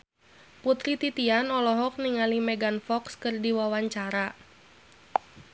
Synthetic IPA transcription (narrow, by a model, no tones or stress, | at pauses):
put̪ɾit̪it̪ianɔlɔɦɔk̚niŋalimɛɡanfɔkskɨrdiwawaɲt͡ʃaɾa